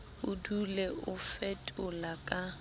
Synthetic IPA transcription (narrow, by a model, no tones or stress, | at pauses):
ʊdulɛʊfɛtʼʊlakʼa